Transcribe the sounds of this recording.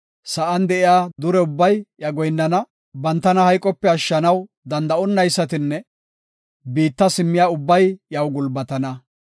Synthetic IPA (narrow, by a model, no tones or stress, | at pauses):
sɐʔɐnd̪ɛʔɪjaːd̪ʊɾɛʊbːɐjjɐɡɔjnːɐnɐ | bɐnt̪ːɐnɐhɐjkʼɔpːɛɐʃːɐnɐw | d̪ɐnd̪ɐɔnːɐjsːɐt̪ɪnːɛ | biːt̪ːɐsɪmːɪjaːʊbːɐjjɐwɡʊlbɐt̪ɐnɐ